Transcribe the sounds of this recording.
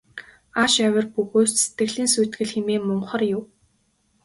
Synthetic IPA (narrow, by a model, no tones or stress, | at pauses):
aːʃæwʲə̆rpɵɣoːsse̥t̪ɡɘ̆ɮiːnsujt̪ɡɘ̆ɮxemeːmɔɴχə̆rjʊw